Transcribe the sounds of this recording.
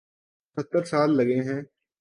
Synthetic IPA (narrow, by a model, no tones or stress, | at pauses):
sɐt̪ːəɾsaːlːɐɡeɦɛ̃ː